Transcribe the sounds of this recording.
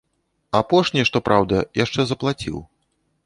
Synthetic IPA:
apɔʂnʲiʂt̪ɔpɾʔawd̪ɐjaʂt͡ʂɛzɐplˠat͡sʲḭw

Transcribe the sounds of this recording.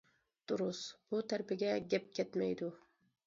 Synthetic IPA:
d̪̥ʊɾʊsb̥ʊt̪ʰaɾpɪɡʲɛɡʲɛp̚kʲʰɛt̪majd̪ʊ

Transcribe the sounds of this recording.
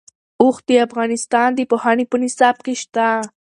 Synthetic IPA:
ʊxd̪əafɣɑnɪst̪ɑnd̪əpohɑnepənɪsɑb̚keʃt̪a

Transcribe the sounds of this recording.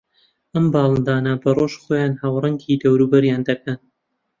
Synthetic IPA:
ʔɐmbɑːlˠɨnd̪aːnɐbɐroʃχoːjaːnhawrɨŋɡid̪ɐwɾuːbɐɾjaːnd̪ɐkɐn

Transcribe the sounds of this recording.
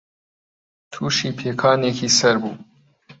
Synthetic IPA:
t̪ʰuːʃiːpʰeːkʰɑːneːkʰiːsɛɾbṵː

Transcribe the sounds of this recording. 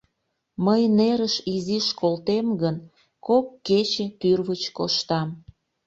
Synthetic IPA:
məjneɾəʃiziʃkolt̪emɡən | kokːet͡ɕet̪yrβət͡ɕkoʃt̪ɑm

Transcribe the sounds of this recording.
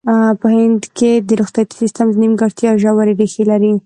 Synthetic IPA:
pəhɪnd̪ked̪əɾuxt̪at̪i̥sist̪amznimɡaɽt̪jɑʒawaɾeɾexelaɾi

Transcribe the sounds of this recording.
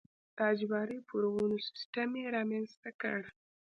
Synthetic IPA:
t̪ɑd͡ʒbɑɾəpuɾwunosɪ̥sʈameɾɑmanst̪akə̰ɽ

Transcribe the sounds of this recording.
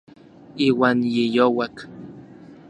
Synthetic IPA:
iːwaːnjijowak

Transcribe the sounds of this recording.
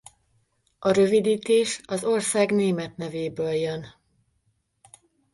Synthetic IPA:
ɒɾø̞vid̪iːt̪eːʃɒzo̞rsaːɡneːmɛt̪nɛveːbøːljøn

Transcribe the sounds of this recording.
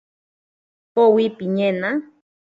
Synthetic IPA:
powipiɲẽna

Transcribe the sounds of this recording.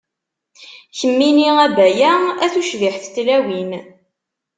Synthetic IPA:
çəmːiniæbæjææθuʃviħθt̪ːlæwin

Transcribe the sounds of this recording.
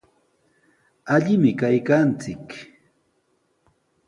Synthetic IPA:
aʎɪmɪkajkant͡sɪk

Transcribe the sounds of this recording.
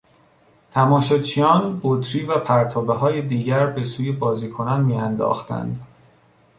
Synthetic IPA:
t̪ʰæmɒːʃot͡ʃʰijɒːnbot̪ʰɾiːvæpʰæɾt̪ʰɒːbe̞ɦɒːje̞d̪iːɟæɾbe̞suːje̞bɒːziːkʰo̞nænmiːænd̪ɒ̰ːxt̪æ̰nd̪

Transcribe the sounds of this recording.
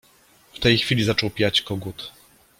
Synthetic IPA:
ft̪ɛjxfʲilʲizat͡ʂɔwpʲjat͡ɕkɔɡut̪

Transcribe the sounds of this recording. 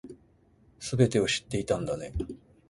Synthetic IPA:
sɨbe̞t̪e̞oɕi̥t̪ːe̞it̪ãnd̪ane̞

